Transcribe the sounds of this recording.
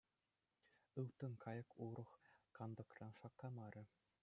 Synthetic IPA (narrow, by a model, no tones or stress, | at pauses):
ɯwt̪ɤ̆nkʰɑjɤ̆kʰuɾɤ̆χkɑnd̪ɤ̆krɑnʂɑkːɑmɑɾʲʔɘ̆